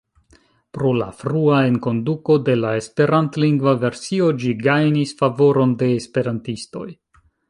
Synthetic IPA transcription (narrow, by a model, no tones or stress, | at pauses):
pɾo̞la̰fɾuae̞nko̞nduko̞de̞lae̞spe̞ɾantliŋɡvave̞ɾsio̞d͡ʒiɡajnisfavo̞ɾo̞nde̞ːspe̞ɾantisto̞̰j